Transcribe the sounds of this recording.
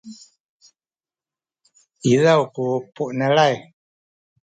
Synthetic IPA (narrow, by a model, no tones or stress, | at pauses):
iðaukupuʔnalaj